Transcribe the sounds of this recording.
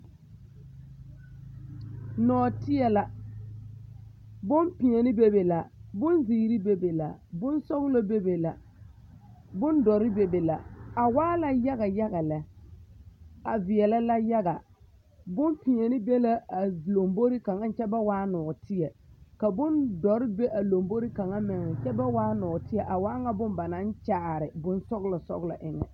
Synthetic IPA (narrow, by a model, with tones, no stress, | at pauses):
nɔː˨tɪ˦jɛ˨la˨ | bʊ˦mpi˨ɛ˨nɪ˦be˦be˨la˨bʊ˦nziː˨ɾi˦be˨be˨la˨bʊ˦nsɔ˦ɣʊ˦lo˦be˦be˨la˨ | bʊ˦ndɔ˨ɾɪ˦be˨be˨la˨a˨waː˦la˦ja˦ɣa˨ja˦ɣa˨lɛ˨ | a˨vɪ˨ɛ˨la˦la˦ja˦ɡa˨ | bʊ˦mpi˨ɲe˨nɪ˦be˦la˦a˨lo˨mbo˦ɾi˦ka˨ŋa˦n˨t͡ʃɛ˦ba˦waː˦nɔː˨tɪ˦jɛ˨ka˨bʊ˦ndɔ˨ɾɪ˦be˦ʔa˨lo˨mbo˦ɾi˦ka˨ŋa˦mɪ˨ŋɪ˨t͡ʃɛ˦ba˦waː˦nɔː˨tɪ˦jɛ˨ʔa˨waː˦ŋa˦bʊ˦mba˨na˦nt͡ʃaː˦˨ɾɪ˨bʊ˦nsɔ˦ɣlɔ˨sɔ̰˦ɣla̰˨ʔɪ˨ŋɛ̰˨